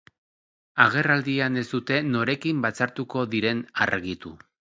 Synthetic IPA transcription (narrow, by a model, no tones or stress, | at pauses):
aɣ̞e̞rald̪iane̞sd̪ut̪e̞no̞ɾe̞kimbat͡saɾt̪uko̞ðiɾe̞na̰rɣit̪u